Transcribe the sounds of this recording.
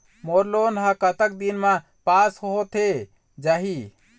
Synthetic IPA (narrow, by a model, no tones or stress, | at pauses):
moɾlonɦãkət̪ək̚d̪inme | pasɦoɦot̪ʰe | d͡ʒaɦi